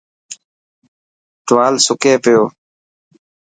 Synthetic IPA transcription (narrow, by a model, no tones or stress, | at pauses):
t̪ʊʋaːlsʊkeːpɪjoː